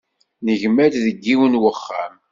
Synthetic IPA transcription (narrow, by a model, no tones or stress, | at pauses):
nəʝmæd̪ðəɡːiwənwəχːa̰m